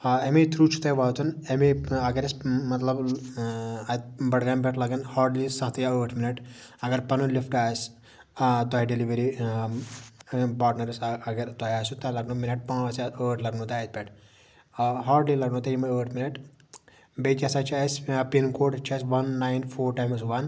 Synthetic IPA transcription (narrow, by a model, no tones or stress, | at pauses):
emet̪ɾuːt͡ʃʰu̥t̪ɐjʋaːt̪ʰunemeɐɡɐɾesmɐt̪lɐb | ɐt̪̚bɐɽɡaːnp̬ʲɛʈlɐɡɐnhaːɾɖlisɐɦt̪ɐjaəːʈʰminɐʈɐɡɐɾpɐnulifʈaːs | t̪ɔɦiɖeliʋɐɾi | paːʈnɐɾisɐɡɐɾt̪ɔɦjaːsut̪alɐɡnuminɐʈ̚pãːɐsaəːʈʰlɐɡnut̪aɐt̪̚pʲɛʈʰ | ɦaːɾɖlilɐɡnũːt̪ejimɐəːʈʰminɐʈ | bet̪ʲjasat͡ʃʰaːspinkoːʈt͡ʃʰaːsʋɐnːajnfʰoːɾʈaːjmsʋɐn